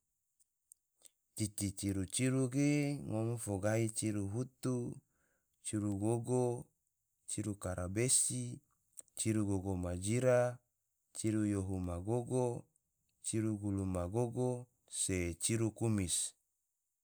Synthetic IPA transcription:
t͡ʃ̪it̪it͡ʃiɾut͡ʃiɾuɡeŋomfoɡait͡ʃiɾuɦut̪u | t͡ʃiɾuɡoɡo | t͡ʃiɾukaɾabesi | t͡ʃiɾuɡoɡomad͡ʒiɾa | t͡ʃiɾujoɦumaɡoɡo | t͡ʃiɾuɡulumaɡoɡo | set͡ʃiɾukumis

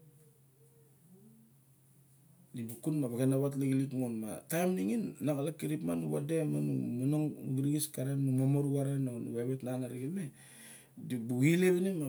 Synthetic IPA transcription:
dibukunmaβaɡenaβat̬leɡilitŋonma̰tajmniŋinːaɡalakːiɾipmanuβademanṵmanoŋɡiɾiɡiskaɾanumomoɾuβaɾananṵβaβetnanaɾiɡime | dibuɡileβinima

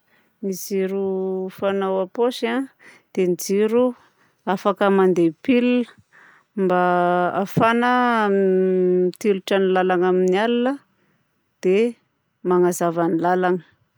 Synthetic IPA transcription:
niziɾufanawapoʃa | d̪̥enid͡ziɾu | afakəmand̪epiliə | mbaafanə | t̪iluʈ͡ʂanilalaŋaminialinə | d̪̥e | maŋazavanilalaŋə

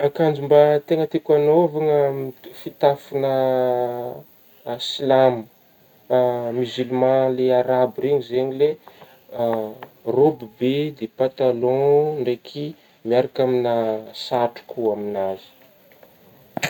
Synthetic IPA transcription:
akand͡zumbat̪eŋət̪ekanovaŋəfit̪afinə | silamə | myzylmãleaɾabreɲizeɲile | robibed̪epãt̪alɔ̃ɳɖ͡ʐekʰi | miaɾakaminasaʈ͡ʂu̥kuaminazi̥

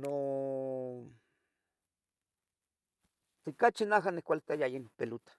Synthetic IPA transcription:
no | t̪ekat͡ʃinaɦanekʷalt̪ajajenpelut̪ḁ

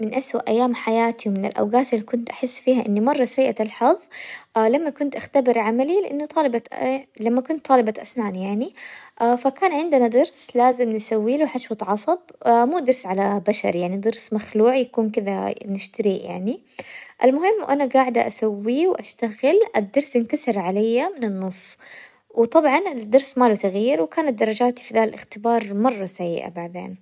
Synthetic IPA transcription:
mɪnʔaswaʔajːaːmħajaːt̪iwmɪnɪ̰lʔa̰wɡaːt̪ɪlːikʊnt̪ʔaħɪsːfiːhaʔɪnːimɑrˤːɑsajʔat̪alħɑðˤʔlamːakʊnt̪ʔaxt̪abɪɾʕamalilɪʔanːut̪ˤɑːlɪbalamːakʊnt̪ˤːɑːlɪbaʔasnaːnjaʕniʔafakaːnʕɪnd̪ɪnad̪ɨɾslaːzɪmnɪsawːiːluħaʃwɑt̪ʕɑsˤɑbmuːd̪ɑɾsʕalabaʃɑ̰ɾjaʕnid̪ɑɾsmaxluːʕjakuːnkɪd̪anɪʃt̪aɾija̰ʕni | ʔɪlmʊhɪmːʔanaɡaːʕd̪aʔasawːiwʔaʃt̪aɣɪlʔɪd̪ːɑɾsɪnkasɪɾʕalajːamɪnɪnːʊsˤː | wt̪ˤɑbʕɑnɪd̪ɑɾsmaːlut̪aɣjiːɾwkaːnat̪̚d̪ɑɾˤːɑd͡ʒaːt̪i̥fid̪aːllʔɪxt̪ɪbɑːɾˤmɑrˤːɑsajːʔa̰baʕd̪ḛːn

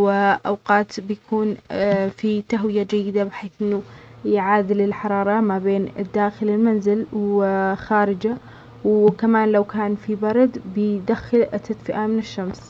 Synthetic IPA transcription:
wɪʔawqɑːt̪bɪjakʰuːnfit̪aɦwɪjad͡ʒajːɪd̪abɪħeːθʔɪnːujʕaːd̪ɪlɪlħɑɾˤɑːɾˤɑmabeːnɪd̪ːaːxɪlɪlmanzɪlwxaːɾɪd͡ʒa | wkamaːnlawkaːnfibɑɾˤɑd̪bɪd̪axːɪlʔɪt̪ːat̪fɪʔamɪnɪʃːams

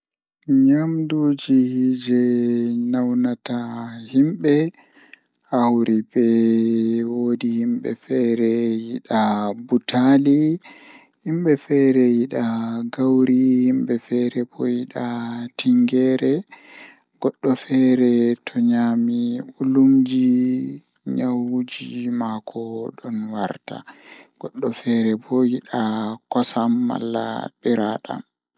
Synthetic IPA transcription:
ɲamduːd͡ʒihd͡ʒɛnawnatahimɓɛ | hawɾibɛ | wodihimɓɛ̰fɛɾɛjiɗabutʰali | himɓɛfɛɾɛjiɗaɡawɾihimɓɛfɛɾɛbɔjiɗatʰiŋɡɛɾɛ | ɡ̥ɔɗːɔfɛɾɛtʰɔɲaːmiɓulumd͡ʒi | ɲawud͡ʒimakʰɔɗɔnwaɾta̰ɡ̥ɔɗːɔfɛɾɛbɔjiɗakɔsamːa̰lːa̰ɓɛɾaɗa̰m

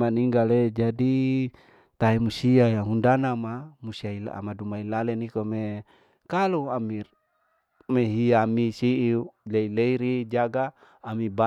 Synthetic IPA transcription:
maniŋɡaled͡ʒadi | t̪aɦemusiajaɦundanamamusiaila̰madumailalɛnikome | kaluami | meɦiamisiʔileileiɾid͡ʒaɡaː | miba

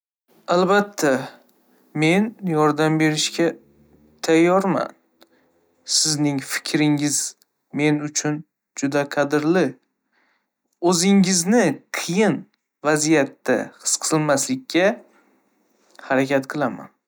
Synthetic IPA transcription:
albat̪ʰːa | me̞njɒɾd̪ambe̞ɾɪʃkʲa | t̪ʰajːɒɾma̰n | sɪznɪŋfɪ̥kʲɾɪŋɪz | me̞nʊt͡ʃʰʊn | d͡ʒʊd̪aqʰɑd̪ɪɾlɪ | ɵzɪŋɪznɪqʰɨjɪn | vazijat̪ːa̰qɨ̥sqʰɨ̥zɨlmaslɪkʲʰːa | haɾakʲat̪qʰɨlˠama̰n

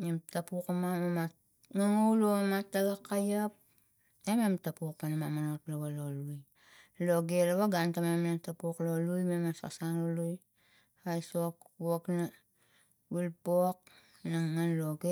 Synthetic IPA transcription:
emtapukamamamat | ŋaŋowlomatːaɡakːajap̚ | ememtapuk̚panamamanotlaβaloluj | loɡelawaɡantamemanatapuklo̞lujmemasa̰sanoluj | ajsokwokna | wilpok̚ | naŋːanloɡe

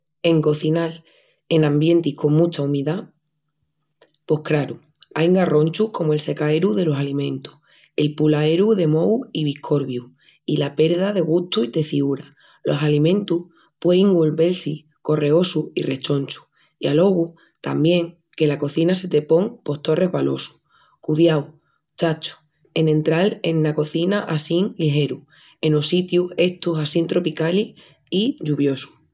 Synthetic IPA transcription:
e̞ŋko̞θinal | e̞nãmbje̞nt̪ikʰo̞ŋmũt͡ʃaumiða | po̞hkɾaɾu | ajŋɡaro̞nʲt͡ʃuhko̞moe̞lse̞kae̞ɾuðe̞lo̞salimẽ̞nt̪u̥h | e̞lpulae̞ɾuðe̞mo̞wiβ̞ihkʰo̞ɾβju | ilape̞ɾðaðe̞ɣ̞ut̪uit̪e̞θiuɾa | lo̞salimẽ̞nt̪uh | pweiŋɡulβe̞lsi | ko̞re̞o̞suire̞t͡ʃo̞nʲt͡ʃu̥ | ia̰lo̞ɣu | t̪ambjẽ̞ŋ | ke̞lako̞θinase̞t̪e̞po̞ŋpo̞ht̪o̞re̞ɦβalo̞su̥ | kuðjaw | t͡ʃat͡ʃu̥ | e̞nẽ̞nt̪ɾalenːako̞θinaʔasiŋliɦe̞ɾu | e̞nosit̪jue̞ht̪usasint̪ɾo̞pikali | iʎuβjo̞su̥

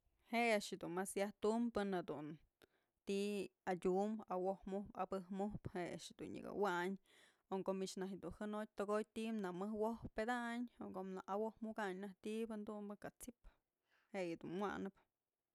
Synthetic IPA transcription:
heʔaʔʃɨd̪unmasjaht̪umpɨnhad̪un | t̪iadʲumawohmuhpabɨhmuhpheʔa̰ʔʃɨd̪ṵnjɨ̰ɡa̰waɲ | oŋkomiʃnaɦd̪unhɨnoj̚ʲt̪oɡojt̪imnamɨhwohped̪aɲokomnaʔawohmukaɲnaht̪ibɨnd̪umbɨkat͡sip | heʔjɨd̪ṵnwa̰nɨp

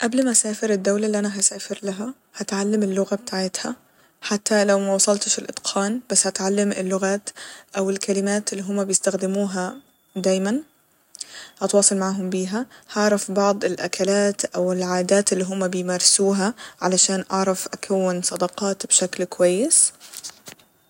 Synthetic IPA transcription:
ʔablmaʔsaːfɪɾɪd̪ːawlaliʔanaɦasaːfɪɾlaɦa | hat̪ʕalːamɪlːʊɣabt̪ʰaʕɪt̪ha | ħat̪ːalawmawɑsˤɑlt̪ɪʃɪlʔɪ̰d̪qʰɑːnb̥asːhat̪ʕalːamɪ̰lːʊɣaːt̪ʔawɪlkalɪmaːt̪lːiːɦʊmːabjɪst̪axd̪ɪmuːɦa | d̪aːjman | hat̪wɑːsˤɑlmaʕaɦʊmbiːɦahɑʕɾˤɑfbɑʕd̪ˤɪlʔa̰kʰalaːt̪ʔawɪlʕaːd̪aːt̪ɪlːiːɦʊmːabɪjmaːɾˤsuːɦaʕalaʃaːnʔɑʕɾˤɑfʔakʰawːɪnsˤɑd̪ɑqɑːt̪bʃaklkwajːɪs

